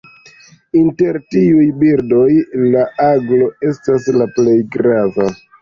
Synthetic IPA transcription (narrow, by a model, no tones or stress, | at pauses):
inte̞ɾtiujbiɾdo̞jlaʔaɡlo̞e̞staslaple̞jɡɾava